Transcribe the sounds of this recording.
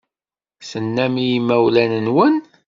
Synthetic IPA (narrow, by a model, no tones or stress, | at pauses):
sənːæmijimːæwlænənwən